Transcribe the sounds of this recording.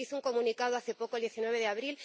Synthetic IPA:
iθuŋko̞mũnikaðoaθepokoeld̪jeθinweβ̞eðeaβɾil

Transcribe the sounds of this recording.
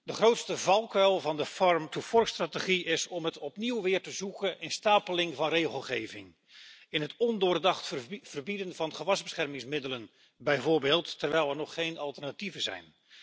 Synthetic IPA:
dəχrowtstəvɑlˠkœlˠvɑndəfɔɹmtufɔrstraːtəχiɪzɔmɦətɔpniwʋɪːrtəzukənʔɪnstaːpəlɪŋvɑnrejχəlˠχejvɪŋ | ɪnɦətɔndʊːrdɑχtv̥ərbidənvɑnχəʋɑzbəsχɛrmɪŋsmɪdələn | bɛjvʊːɹbeːlˠtːərʋɛjlˠɛrnɔχːejnɑlˠtərnativəzɛ̰jn

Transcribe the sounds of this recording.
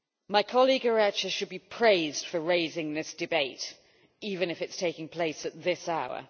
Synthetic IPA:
maɪkʰɒliɡəɹæt͡ʃəʃəd̚bipʰɹ̥eɪzd̥fəɹeɪzɪ̃ŋðɪsd̥ɨbeɪt | iːvɨ̃nɨfɨtstʰeɪkɪ̃ŋpʰl̥eɪsət̪̚ðɪsaʊə̰

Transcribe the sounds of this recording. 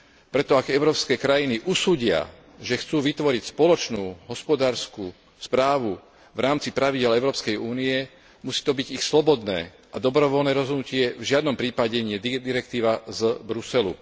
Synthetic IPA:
pɾɛt̪ɔaɡɛʊɾɔːpskɛːkɾajiniʔusuːɟɪa̰ | ʒɛxt͡suːʋit̪ʋɔɾicspɔlɔt͡ʃnuːɦɔspɔd̪aːɾskuː | spɾaːʋu | vɾaːmt͡sipɾaʋiɟɪɛlɛʊɾɔːpskɛjuːniɛ | musiːt̪ɔbiɟixslɔbɔd̪nɛ̰ː | ʔad̪ɔbɾɔʋɔlnɛːɾɔzɦɔd̪ucɪɛvʒɪad̪nɔmpɾiːpaɟɛɲɪɛd̪id̪iɾɛk̚t̪iːʋazbɾusɛlṵ

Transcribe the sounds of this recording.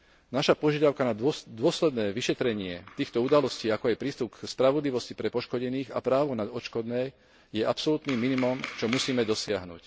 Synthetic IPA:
naʃapɔʒɪad̪aʊkanad̪ʊɔslɛd̪nɛːʋiʃɛt̪ɾɛɲɪɛt̪iːxt̪ɔud̪alɔsciːakɔajpɾiːst̪upkspɾaʋɔd̪liʋɔscipɾɛpɔʃkɔɟɛniːɣa̰pɾaːʋɔnad̪ɔt͡ʃkɔd̪nɛː | jɛʔapsɔlut̪niːmːinimɔmt͡ʃɔmusiːmɛd̪ɔsɪaɦnṵːc

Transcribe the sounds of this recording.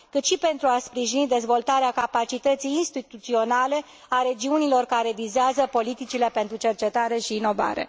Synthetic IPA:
kɨt̪ʃipe̞nt̪ɾuaspɾiʒinid̪e̞zvo̞lt̪aɾeakapat͡ʃit̪ət̪sijːnst̪it̪ut̪sio̞nale̞ | aɾe̞d͡ʒiunilo̞rkaɾe̞vizeazəpo̞lit̪it͡ʃile̞pe̞nt̪ɾut͡ʃe̞rt͡ʃe̞t̪aɾe̞ʃiːno̞va̰ɾe̞̰

